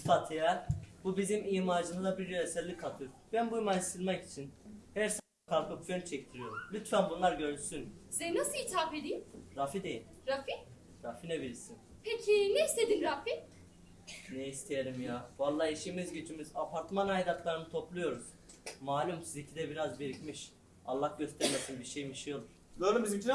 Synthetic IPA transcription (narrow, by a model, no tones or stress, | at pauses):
fat̪ʰijɛbubizimiːmaːd͡ʒɯnɯzabiɾjøesɛlʲːikʰat̪ʰɯɾbænbujmaist̪ʰilʲmɛci̥t͡ʃʰinhæɾsa | kʰalˠkɯpfønt͡ʃʰɛct̪ʰiɾijo̞ɾumlʲyt̪ʰfænbunlˠaɾɟølsynzɛnasɯit̪ʰaːped̪ijimɾafid̪e̞jilʲ | ɾafi | ɾafinɛbiɾisin | pʰecʰineist̪ʰed̪inɾafi | nejist̪ʰijeɾimjaːbalˠːaiʃimizɟet͡ʃʰimizapʰaɾt̪manajd̪at̪lˠaɾɯnɯt̪ʰoplˠujo̞ɾuz̥ | maːlʲymsizicʰid̪ɛbiɾazbeɾicmiʃ | alˠːahɟøst̪ɛɾmesinbiɾʃejmiʃijo̞lˠuɾ̥d̪oɾɯmbizimt͡ʃin